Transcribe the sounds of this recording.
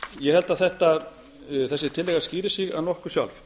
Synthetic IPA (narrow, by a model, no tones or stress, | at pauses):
jɛhɛlt̪aðθɛht̪a | θɛsːɪt̪ʰɪlːɛːɣaɾsciːɾɪsiɣa̰ðnɔhkʏsja̰wlf